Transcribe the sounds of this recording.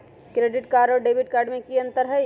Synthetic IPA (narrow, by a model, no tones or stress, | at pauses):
kɾeːɖɪʈkaːɾɖɔːɾɖeːbɪʈ̚kaːɾɖmẽkiɐ̃nt̪əɾɦɛ